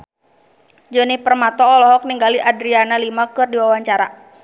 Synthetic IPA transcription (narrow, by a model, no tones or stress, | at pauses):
d͡ʒɔnipərmat̪ɔːlɔɦɔk̚niŋɡaliʔadɾianalimakɨrdiwawaɲt͡ʃaɾa